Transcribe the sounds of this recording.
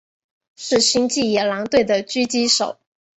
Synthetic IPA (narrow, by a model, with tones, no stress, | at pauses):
ʂɻ̩˥˩ɕi˥ŋt͡ɕi˥˩jɛ˨˩lɑ˧˥ŋt̪we˥˩ɪd̪ə˩t͡ɕy˥t͡ɕi˥ʂo̰˨˩˦ʊ